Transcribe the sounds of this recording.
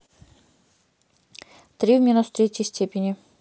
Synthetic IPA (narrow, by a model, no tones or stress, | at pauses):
t̪ɾʲivʲmʲinust̪ɾʲetʲjəjsʲtʲepʲɪnʲɪ